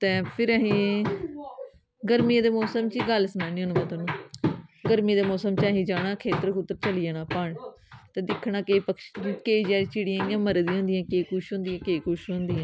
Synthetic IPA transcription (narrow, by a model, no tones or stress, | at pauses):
t̪ɛ̃ːpʰɪɾəɦĩː | ɡəɾmiːd̪eːmɔːsəmt͡ʃiːɡəlsənaːnĩːõːnːmət̪əbnũːɡəɾmiːd̪eːmɔːsəmt͡ʃaːɦĩːd͡ʒaːɽaːkʰeːt̪əɾkʊt̪ːəɾt͡ʃəliːaːnãːpəɳ | t̪ɛ̃ːd̪ɪkʰːɳaːkeːpəkʃkeːd͡ʒaːɾit͡ʃɪɽiãːjãːməɾd̪ĩɦʊ̃nd̪ijãːkeːkʊʃɦõnd̪ijãːkeːkʊʃɦʊ̃nd̪iːãː